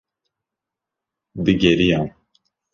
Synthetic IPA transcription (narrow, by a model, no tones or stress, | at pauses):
d̪ɨɡɛɾijaːn